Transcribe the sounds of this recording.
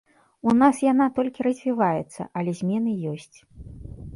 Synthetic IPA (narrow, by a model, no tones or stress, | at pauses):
unasjan̪at̪ɔlʲkʲiɾɐzʲvʲivajɛt̪sːɐ̰ʔɐlʲɛzʲmʲɛnɨjɔsʲt͡sʲ